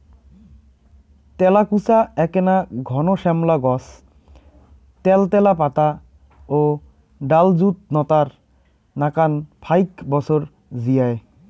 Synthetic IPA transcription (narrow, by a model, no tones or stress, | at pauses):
t̪ɛlakusaɛkenaɡʱɔnoʃɛmlaɡɔs | t̪ɛlt̪ɛlapat̪a | o | ɖald͡ʑut̪̚nɔt̪aɾ | nakanpʰajkbɔt͡ɕʰoɾ | zijae